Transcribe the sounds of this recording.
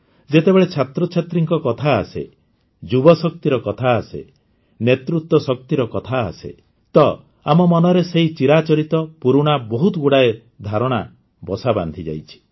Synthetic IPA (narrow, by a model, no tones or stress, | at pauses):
d͡ʒet̪ebeɭet͡ʃʰat̪ɾɔt͡ʃʰat̪ɾiŋkɔkɔt̪ʰaːsḛ | d͡ʒubɔsɔk̚t̪iɾɔkɔt̪ʰaːsḛ | net̪ɾut̪ːwɔsɔk̚t̪iɾɔkɔt̪ʰa̰ːsḛ | t̪ɔ | amɔmɔnɔɾeseɦit͡ʃiɾat͡ʃɔɾit̪ɔpuɾuɽ̃abɔɦut̪ɔɡuɽae | d̪ʱaɾɔɽ̃a | bɔsaba̰nd̪ʱid͡ʒa̰jt͡ʃʰi̥